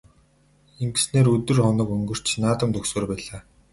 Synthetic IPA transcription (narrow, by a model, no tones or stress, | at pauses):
eŋɡe̥sneːɾɵt̪ɵ̆rχɔnɞ̆kɵŋɡɵ̆r̥t͡ɕnaːt̪ə̆mt̪ʰɵksoːrpæːɮaː